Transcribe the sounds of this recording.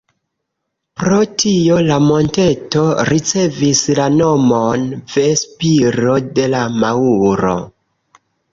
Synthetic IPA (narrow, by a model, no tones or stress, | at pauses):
pɾo̞tʰio̞lamo̞nte̞to̞ɾit͡se̞vislano̞monve̞spiɾo̞de̞lamauɾo̞̰